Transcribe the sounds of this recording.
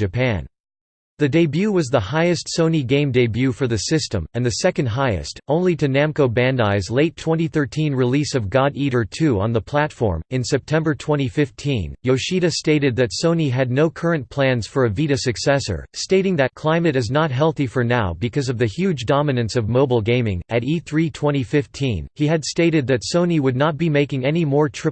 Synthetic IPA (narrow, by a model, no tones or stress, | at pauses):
d͡ʒɨpʰæ̃n | ðɨdeɪbjʉwʌzðəhaɪɨstsõʊ̃niɡẽɪ̃mdeɪbjʉfə˞ðɨsɪstə̰̃mɨ̃nðɨsɛkɨ̃nd̚ɦaɪɨ̰stʰõʊ̃nliɾɨnæ̃mkoʊbæ̃ndaɪzleɪtʰːw̥ɛ̃ñiθɜ˞tʰĩnɹɨlisʌvɡɑɾiɾə˞tʰʉə̰̃nðəpʰl̥ætfɔ̰ɹmɨ̃nsɛp̚tʰɛ̃mbə˞tʰw̥ɛ̃ɾ̃ifɪftʰḭ̃njoʊʃiɾɨsteɪɾɨd̪̚ðɨtsõʊ̃niɨdⁿnoʊkʰɜ˞ɨ̃npʰl̥æ̃nz̥fə˞ɨviɾɨsɨksɛsə̰˞steɪɾɪ̃ŋðɨt̚kʰl̥ãɪ̃mɨɾɨznət̚ɦɛlˠθifə˞naʊbɨkʰʌzʌvðɨhjʉd͡ʒdɑmɨnɨ̃nsʌvmoʊbl̩ˠɡẽɪ̃mɪ̰̃ŋɨɾiθɹitʰw̥ɛ̃ɾ̃ifɪftʰĩniɨdsteɪɾɨd̪̚ðɨtsõʊ̃niwədⁿnət̚b̥imeɪkɪ̃ŋɛnimɔɹtʰɹ̥ɪ